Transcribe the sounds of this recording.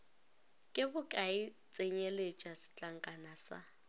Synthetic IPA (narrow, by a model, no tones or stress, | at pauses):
kʼɪbʊkʼaɪ | t͡sʼeɲelet͡ʃʼasɪ̥t͡ɬʼaŋ̩kʼanasa̰